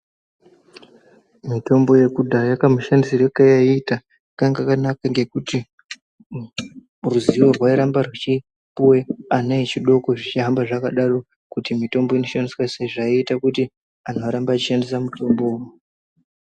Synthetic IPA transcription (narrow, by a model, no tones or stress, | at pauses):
mito̞mbo̞je̞kudʱajakamuʃandisirekajaiːta | akaŋɡakanakaŋɡe̞kuti | ruziʋo̞rwaiɾambarwit͡ʃi | puweanait͡ʃiɗo̞ko̞ʐit͡ʃiɦambaʐakaɗaro̞ | kutimito̞mbo̞inot͡ʃaniswaseʐaiːtakuti | anoaɾambaːt͡ʃiʃandisamuto̞mbowu